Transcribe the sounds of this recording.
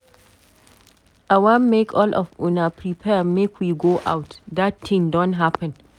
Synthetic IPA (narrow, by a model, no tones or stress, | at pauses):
ʔawãmːekʰɔlʔɔ̰funapʰɹipʰɛmekʰwiɡoʔa̰wtdattɪ̃ŋdɔ̃nɦapə̃n